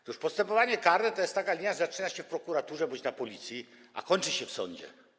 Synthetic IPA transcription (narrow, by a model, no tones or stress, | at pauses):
t̪uʂpɔst̪ɛmpɔvaɲɛkaɾd̪ɛt̪ɔjɛst̪akalʲiɲjaʐɛzat͡ʂɘnaɕɛfpɾɔkuɾat̪uʐɛbɔɲt͡ɕnapɔlʲit̪sʲji | a̰kɔɲt͡ʂɘɕɛfsɔ̰ɲd͡ʑɛ̰